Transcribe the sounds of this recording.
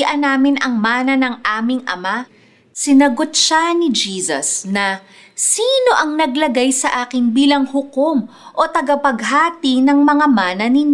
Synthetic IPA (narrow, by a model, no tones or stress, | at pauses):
ʔɐnaːmɪnɐŋmaːnɐnɐŋʔaːmɪŋʔɐ̰ma | sɪnɐɡot̪̚ʃanɪd͡ʒiːsɐ̰snɐ | siːno̞ʔɐŋnɐɡlɐɡajsɐʔaːkɪŋbiːlɐŋhʊkomʔo̞t̪ɐɡɐpɐɡ̚ɦaːt̪inɐŋmɐŋamaːnɐnɪɲ